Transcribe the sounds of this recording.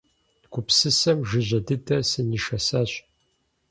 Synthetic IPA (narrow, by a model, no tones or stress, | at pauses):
kʷʊpsɨsɐmʒɨʑʷɐdɨtʰɐsɨniʃɐsaɕ